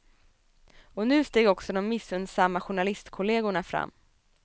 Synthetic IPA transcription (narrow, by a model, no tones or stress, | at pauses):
ɔnʉ̟ːst̪eːɡɔksɔd̪ɔmːɪsːɵnd̪samːaɧʊɳalɪst̪kʰʊleːɡʊɳafɾa̰mː